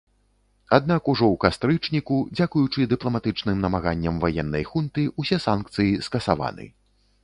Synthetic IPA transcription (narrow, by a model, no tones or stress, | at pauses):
ad̪nakuʐɔwkast̪ɾɨt͡ʂnʲikud͡zʲakujut͡ʂɨd̪ɨplˠɐmat̪ɨt͡ʂnɨmnɐmaɣanʲːɐmvajɛnːɐ̰jxunt̪ɨusʲɛsankt̪sɨjiskɐsava̰nɨ̰